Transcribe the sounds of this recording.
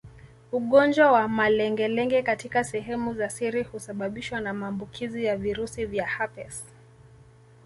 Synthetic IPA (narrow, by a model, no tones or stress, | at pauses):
uɠɔnd͡ʒwawamalɛŋɡɛlɛŋɡɛkatikasɛɦɛmuzasiɾihusaɓaɓiʃwanamaːmbukʰizijaviɾusivjahapɛs